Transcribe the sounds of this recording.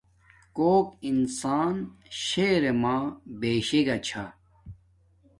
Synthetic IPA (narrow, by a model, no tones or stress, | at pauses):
koːkinsaːnɕeːɾemaːbeːɕeɡɐt͡ɕʰa